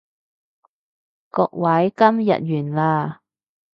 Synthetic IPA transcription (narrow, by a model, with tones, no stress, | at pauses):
kɔː˧k̚wɐ˨˥jkɐ˥mjɐ̰˨t̚jyː˨˩nlaː˧